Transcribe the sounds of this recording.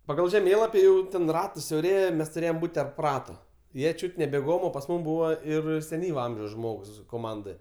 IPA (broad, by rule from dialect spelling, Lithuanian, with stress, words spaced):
pɐˈɡɐlˠ ʒʲɛˈmʲeːlˠɐpʲɪ ˈjɛʊ tʲɛn ˈrɑːtɐs sʲɛʊˈrʲeːjɛ ˈmʲɛs tʊˈrʲeːjoːm ˈbuːtʲ tʲɛrp ˈrɑːtoː ˈjiɛ ˈt͡ʃʲuːtʲ nʲɛ bʲɛˈɡoːm oː pɐs ˈmuːm ˈbuːʋɐ ɪr sʲɛˈnʲiːʋɐ ˈɐmʲʒʲɛʊs ˈʒmoːks koːˈmɐndɜ